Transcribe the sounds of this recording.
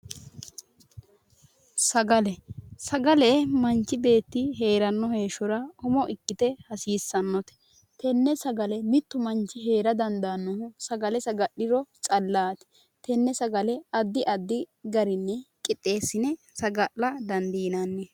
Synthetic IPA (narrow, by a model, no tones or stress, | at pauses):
sɐɡɐlɛsɐɡɐlɛmɐnt͡ʃːɪbe̞ːt̪ːɪɦe̞ːɾɐnːɔhe̞ːʃɔɾɐɔmɔʔɪkːɪt̪ɛhɐsiːsːɐnːɔt̪ɛ̥ | t̪ʰɛnːɛsɐɡɐlɛmɪt̪ːʊmɐnt͡ʃːɪɦe̞ːɾɐd̪ɐnd̪aːnːɔhʊsɐɡɐlɛsɐɡɐɗːɪɾɔt͡ʃʼɐlːaːt̪ɪ̥ | t̪ɛnːɛsɐɡɐlɛɐd̪ːɪʔɐd̪ːɪɡɐɾɪnːɛkʼɪt̪ʼːe̞ːsːɪnɛ | sɐɡɐʔlːɐd̪ɐnd̪iːnanːɛ